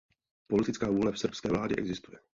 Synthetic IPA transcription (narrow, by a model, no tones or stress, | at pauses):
polɪt̪ɪt͡skaːvuːlɛfsr̩pskɛːvlaːdɪʔɛ̰ɡzɪst̪ujɛ